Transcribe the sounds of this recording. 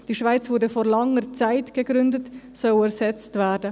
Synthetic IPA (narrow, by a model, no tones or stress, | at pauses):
d̥iʃvaɪt͡svʊːɾdəfɔɾlɑŋəɾt͡saɪtɡ̥əɡɾʏndət | sœlɛɾsɛt͡stvæːɾdə